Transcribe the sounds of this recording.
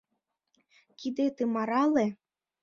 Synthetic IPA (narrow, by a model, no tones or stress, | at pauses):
kid̪et̪emɑɾɑle